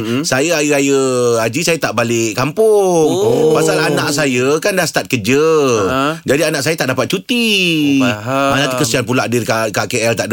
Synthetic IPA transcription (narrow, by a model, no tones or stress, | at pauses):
sajəajəajəad͡ʒisajət̪aʔbalɪʔkampʊŋpasalanãʔsajəkandahsə̥t̪at̪̚kəd͡ʒə | d͡ʒadianãʔsajət̪aʔdapat̪̚t͡ʃut̪i | manat̪ukəsianp̬ulaʔdɪrkakakeɛlt̪aʔ